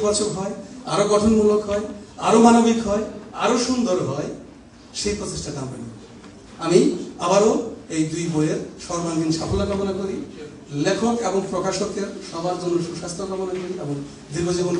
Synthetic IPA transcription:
bɔt͡ɕʰokɦɔea̰ɾoɡɔʈʰonmulokɦɔeaɾomanobikɦɔea̰ɾoʃund̪oɾɦɔe | ʃejpɾot̪eʃʈatampa̰nḭ | amiabaɾoejd̪ujbojeɾʃɔɾband̪inʃapʰolakɔmonakoɾi | lekʰokeboŋpɾokaʃokeɾʃɔbaɾd͡ʑonːoʃuʃast̪ɾokɔmonakoɾiʔeboŋ | d̪iɾbod͡ʑibon

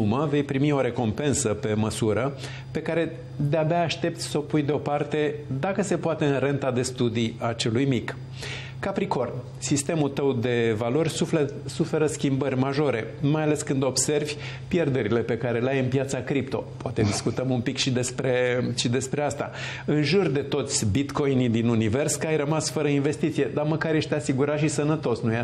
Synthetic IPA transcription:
uməve̞jpɾimio̞ɾe̞ko̞mpe̞nsəpe̞məsuɾə | pe̞kaɾe̞ | d̪eabeaːʃt̪e̞p̚t̪sʲso̞pujd̪eo̞part̪e̞d̪akəse̞poat̪e̞ɨnre̞nt̪ad̪e̞st̪ud̪iat͡ʃe̞lujmikː | apɾiko̞r | sist̪e̞mult̪əwd̪e̞valo̞rʲsuf | sufe̞ɾəskʲimbərʲmaʒo̞ɾe̞majale̞skɨnd̪o̞bse̞rvʲ | pje̞rd̪e̞ɾile̞pe̞kaɾe̞leajɨnpjat̪sakɾipt̪o̞poat̪e̞d̪iskut̪əmumpikʃid̪e̞spɾe̞ʃid̪e̞spɾe̞ast̪a̰ | ɨnʒurd̪e̞t̪o̞t̪sʲbit̪ko̞jnid̪inunive̞rskəajrəmasfəɾəinve̞st̪it̪sije̞d̪aməkaɾje̞ʃt̪asiɡuɾat̪ʃisənət̪o̞snuj

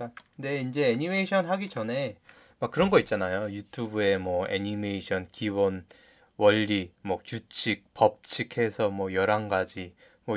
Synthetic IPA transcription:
ane̞ind͡ʑe̞ːɲimeiɕʰʌnɦaɡid͡ʑʌne̞ | mak͈ɯɾʌnɡʌit̚t͡ɕ͈anajojutʰubue̞mwʌḛɲime̞iɕʰʌnkiwʌn | wʔʌʎːimʌkjut͡ɕʰik̚pʌp̚t͡ɕʰikʰe̞sʰʌmwʌjʌɾaŋɡad͡ʑi | mwʌ

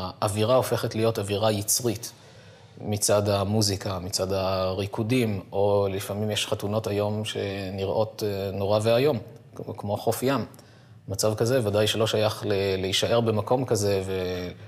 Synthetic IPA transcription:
ʔaviʁao̞fe̞χetlijo̞taviʁajit͡sʁit | mit͡sadamuzikamit͡sad̪aʁikudimo̞lifamimjeʃχatuno̞tajo̞mʃe̞niʁʔo̞tno̞ʁaveajo̞m | kmo̞χofjamː | at͡savkazevadajʃelo̞ʃajaχleleiʃaʔe̞ʁbemako̞mkaze̞ve̞

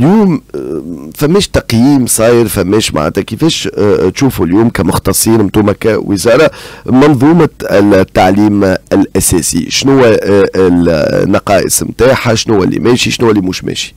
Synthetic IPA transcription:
ljuːm | fæmːɛːʃt̪ɑqjiːmsˤɑːjəɾfæmːɛːʃma̰ʕa̰ːt̪ækəfɛːʃt̪ʃuːfuljuːmkæmʊxt̪ɑsˤːiːnmt̪uːmækæwəzɑːɾˤɑmɑnðˤuːmɑt̪ːaʕliːmɪlʔæsɛːsḭʃnʊwːæ | nːɑqɑːʔə̰smt̪aːħaʃnʊwːæ̰lːḭmɛːʃiʃnʊwːælːimuːʃmɛ̰ʃi̥

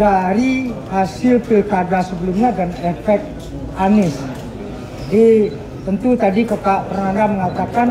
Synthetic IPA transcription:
daɾihasɪlpilkadasəbəlumɲadanɛfɛkt̪̚ | anɪs | di | t̪ənt̪ut̪adikakaʔpərŋandaməŋat̪akan

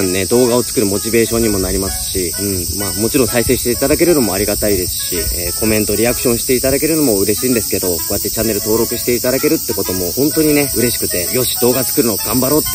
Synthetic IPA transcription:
nne̞d̪o̞ːɡao̞t͡sɨ̥kɯ̟ɾɯ̟mo̞t͡ɕibe̞ːɕõ̞ɲ̟ːimo̞naɾʲimasɨ̥ɕiɯ̟̃ɴmamo̞t͡ɕiɾõ̞ɰsaise̞ːɕi̥t̪e̞it̪ad̪ak̬e̞ɾɯ̟no̞mo̞aɾʲiɡat̪aid̪e̞sɨ̥ɕieːkʰo̞mẽ̞nt̪oɾʲiakɯ̟̥ɕõ̞ɰ̃ɕi̥t̪e̞it̪ad̪ake̞ɾɯ̟no̞mo̞ɯ̟ɾe̞ɕiːnd̪e̞sɨ̥ke̞d̪o̞ko̞jat̪ːe̞t͡ɕanːe̞ɾɯ̟t̪o̞ːɾo̞kɯ̟ɕi̥t̪e̞it̪ad̪ake̞ɾɯ̟t̪ːe̞ko̞t̪o̞mo̞hõ̞nt̪o̞ɲ̟ine̞ɯ̟ɾe̞ɕi̥kɯ̟t̪e̞jo̞ɕi̥d̪o̞ːɡat͡sɨ̥kɯ̟ɾɯ̟no̞ɡ̥ãmbaɾo̞ːt̪ː

